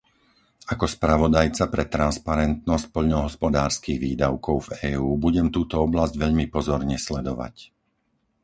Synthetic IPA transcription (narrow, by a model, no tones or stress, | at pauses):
akɔspɾaʋɔd̪ajt͡sapɾɛt̪ɾanspaɾɛnt̪̚nɔsc̚pɔʎnɔɦɔspɔd̪aːɾskiɣʋiːd̪aʊkɔʊvɛːuːbuɟɛmt̪uːt̪ɔɔblazɟʋɛʎmipɔzɔɾɲɛslɛd̪ɔʋa̰c